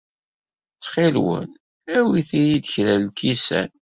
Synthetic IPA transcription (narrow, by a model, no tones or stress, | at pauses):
t͡sːχɪlwə̰n | æwiθijid̪əçɾællkisæ̰n